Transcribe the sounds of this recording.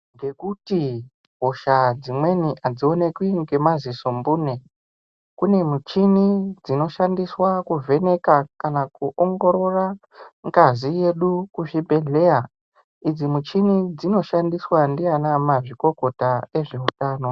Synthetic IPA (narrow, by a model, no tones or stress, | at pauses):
ŋɡe̞kuti | ɦo̞ʃad͡zimwe̞niʔad͡zio̞ne̞kwiŋɡe̞maziso̞mbuːne̞ | kune̞mut͡ʃinid͡zino̞ʃandiswakuve̞ne̞kakanakuʔoŋɡo̞ɾo̞ra | ŋɡazije̞ɗukuʐibʱe̞ɮe̞ja | id͡zimut͡ʃinid͡zino̞ʃandiswandianamaʐiko̞ko̞tae̞ʐeutaːno̞